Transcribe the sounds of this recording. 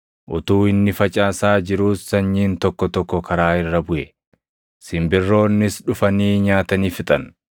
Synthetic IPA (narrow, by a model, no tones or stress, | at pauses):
ʔʊt̪uːɪnːɪfɐt͡ʃʼaːsaːd͡ʒɪɾuːsːɐɲːiːnt̪ɔkːɔt̪ɔkːɔkʰɐɾaːɪrːɐbʊʔɛ | sɪmbɪrːo̞ːnːɪsᶑʊfɐniːɲaːt̪ɐniːfɪt̪ʼɐn